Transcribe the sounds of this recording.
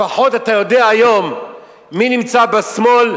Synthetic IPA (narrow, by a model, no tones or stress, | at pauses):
aħo̞tatajo̞deaːjo̞mː | inimt͡sabesmo̞l